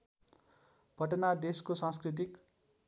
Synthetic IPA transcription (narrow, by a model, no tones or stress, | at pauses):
bʱʌʈʌnad̪eskosãskrit̪̬ik